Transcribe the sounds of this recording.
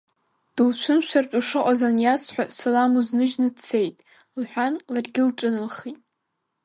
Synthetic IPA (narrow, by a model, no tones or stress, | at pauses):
d̥uwt͡ɕʷʰʊmʃʷʰartʼuʂɨqʷʼazanjasħʷᶣasalamuznɨʒnɨt͡sʰejtʼ | lħʷᶣanlarɡʲɪlʈ͡ʂʼɨnɨlχitʼ